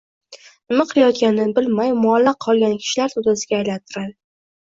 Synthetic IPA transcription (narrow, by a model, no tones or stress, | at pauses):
ɪmaqʰɨlajɒt̪kʲanɪbɪlmajmʊalːaqʰːɒlˠɡʲankʲʰɪ̥ʃɪlaɾt̪ʰʊd̪asɪɡʲaːjlant̪ʰɪɾad̪ɪ